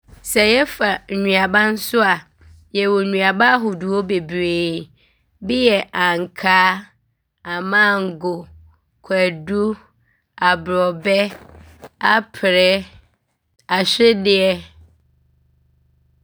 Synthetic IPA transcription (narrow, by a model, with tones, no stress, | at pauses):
sɛ˨jɛ˦fa˨ɲũ˨a˨bã˦n̩˦sʊ˦a˨ | jɛ˨wɔ˨ɲũ˨a˨ba˦a˦ɦʊ˨du˨ɔ˦be˨bɾeː˨˦ | bɪ˦jɛ˨ʔã˨ŋ˨kʰaː˦ | a˨mã˦˨ŋ̩˨ɡʊ˨ | kʷʰæ˨du˦ | a˨bɾɔ˨bɛ˦ | a˦pʰɪ˨ɾɛ˦ | a˨ɕᶣɪ˦dɪ˦ɛ˦